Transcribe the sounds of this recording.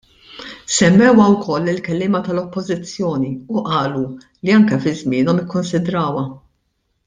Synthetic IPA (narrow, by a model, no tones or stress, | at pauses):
sɛmːɛwɐwkʰɔlːɪlkɛlːɪːmɐt̪ɐlɔpːɔzɪt͡sːjɔːniuʔɐːlu | liɐŋkɛfɪzmɪːnɔmjɪkːʊnsɪd̪ɾɐːwɐ